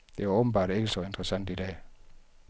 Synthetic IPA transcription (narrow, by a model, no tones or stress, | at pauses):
d̥e̝ʋaɔːb̥n̩b̥ɑ̰̈ːd̥e̝ɡ̥əsɒ̽e̝nd̥ʁəsæn̰d̥id̥ɛ̰ː